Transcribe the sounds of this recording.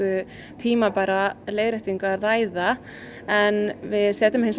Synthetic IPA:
ʏ | t̪ʰiːmapaːɾalejðɾaht̪iŋkʏaraːjða | ɛnvɪðsɛːt̪ʏmhejns

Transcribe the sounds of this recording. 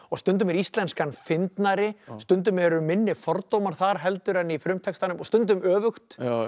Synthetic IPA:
ɔɣst̪ʏnt̪̬ʏmɛɾist̪lɛnskanfɪnt̪naɾɪst̪ʏnt̪̬ʏmɛɾʏmːɪnːɪfɔɾt̪owmaɾ̥θaɾ̥ɦɛlt̪ʏɾhanːɪifɾʏmt̪ʰɛkst̪anʏmɔɣst̪ʏnt̪̬ʏmœːvʏxt̪

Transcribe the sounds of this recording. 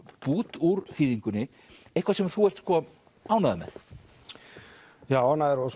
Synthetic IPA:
puːt̪uɾθiːðiŋkʏnːɪ | ejhkvasɛmaθuɛr̥t̪skʰɔ | aːwnaðʏmɛ̰ð | jaːwhanːaðɛɾɔs

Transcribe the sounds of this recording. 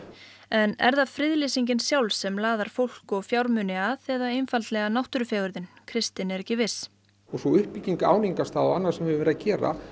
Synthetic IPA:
ɛnɛ̰ɾðaðfɾɪðlɪsiɲcɪnsjawlsɛmlaːðaɾ̥fowl̥kɔɣfjawɾmʏnɪaðɛðaejnfalt̪lɛɣanawht̪ʏɾʏfjɛːɣʏɾðɪnkʰɾɪst̪ɪnɛɾɛcɪvɪs | ɔɣsɔʏhpːiciŋka̰ːwniŋkast̪θaɔanːaɾsɛmhɛvɪvɛɾðacɛːɾa̰

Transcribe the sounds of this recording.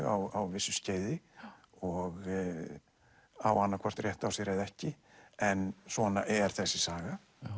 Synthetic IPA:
ɣa̰wawvɪsːʏsceːjðɪ | ɔɣ | awanːakʰvɔr̥t̪rjɛht̪awsɪɾeðɛhcɪ | ɛnsvɔnaʔɛɾ̥θɛsːɪsaːɣa

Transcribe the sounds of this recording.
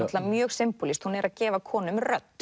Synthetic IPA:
at̪laamjœːɣsɪmpʊlist̪hunɛɾʔaðcɛːvakʰɔːnʏmrœt̪ː

